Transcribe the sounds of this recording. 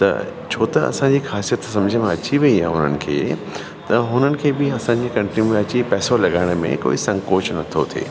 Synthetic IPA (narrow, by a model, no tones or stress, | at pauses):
t̪ɐ̰t͡ɕʰoːt̪ɐɐ̰sãɲd͡ʑiːxaːsijət̪sɐ̃md͡ʑʱəmãɐt͡ɕiʋɐiɦaɦʊnənɪ̆kʰḛː | t̪ɐɦʊn̤ənɪ̆kʰeːbɪɐsãɲd͡ʑikɐ̃ɳʈimuɐt͡ɕipɛːsolɐɠaːɪɽ̃mḛ̃ko̰ːisɐ̃ŋkoːt͡ɕnɐt̪ʰot̪ʰḛː